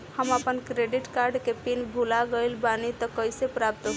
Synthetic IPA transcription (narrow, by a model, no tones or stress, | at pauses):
həməpənkɾeɖiʈkaɾɖkepinbʱulaɡəjlbanit̪ɔkəjsepɾap̚t̪